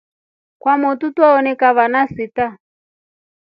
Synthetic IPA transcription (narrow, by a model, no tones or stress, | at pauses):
kwamɔtutwaɔnɛkaβanasita